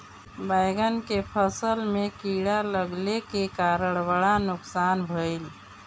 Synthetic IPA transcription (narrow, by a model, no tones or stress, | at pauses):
bajɡənkepʰəsəlmekiɽaləɡlekekaɾəɽ̃baɽanʊksanbʱəɪl